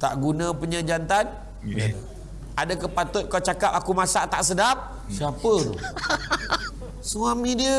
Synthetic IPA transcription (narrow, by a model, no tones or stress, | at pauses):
t̪a̰ʔɡunãpuɲəd͡ʒant̪an | adakəpat̪ʊt̪̚kat͡ʃakap̚akumasaʔt̪aʔsədap̚ | siapəɾo̰ | səmuamidiə